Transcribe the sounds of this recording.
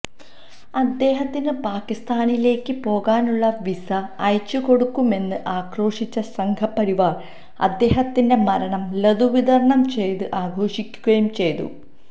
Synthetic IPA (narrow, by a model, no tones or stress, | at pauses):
ɐd̪ːe̞ːɦɐt̪ːinɨpaːkːist̪aːnile̞ːkːɨpo̞ːɣaːnuɭːɐʋisɐːjt͡ɕːuko̞ɽukːume̞nːɨʔaːkro̞ːʂit͡ɕːɐsɐŋkʰɐpːɐɾiʋaːr | ɐ̰d̪ːe̞ːɦɐt̪ːinde̞mɐɾɐɳɐmlɐðuʋiðɐrɐɳɐmt͡ɕe̞jt̪ɨʔaːɡʱo̞ːʂikʲːuɣɐjumt͡ɕe̞jt̪ṵ